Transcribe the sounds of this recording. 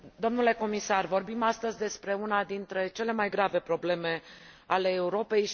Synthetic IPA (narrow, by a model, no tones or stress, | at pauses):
d̪o̞mnule̞ko̞misarvo̞rbimast̪əzʲd̪e̞spɾe̞unad̪int̪ɾe̞t͡ʃe̞le̞majɡɾave̞pɾo̞ble̞me̞ | ale̞ːuɾo̞pe̞j